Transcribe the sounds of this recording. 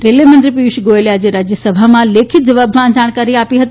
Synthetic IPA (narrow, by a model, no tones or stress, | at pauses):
ɾelemənt̪ɾipiʋʃɡoelead͡ʒeɾad͡ʒjəsəbʱamãlekʰit̪̚d͡ʒəʋabʱmãd͡ʒaɽ̃kaɾiapiɦət̪i